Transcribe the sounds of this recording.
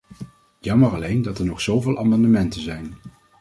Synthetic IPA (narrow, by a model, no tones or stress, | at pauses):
jɑməɹɑlejndɑtɛɹnɔχsowvɪːlˠʔa̰ːmɑndəmɛntənzɛjn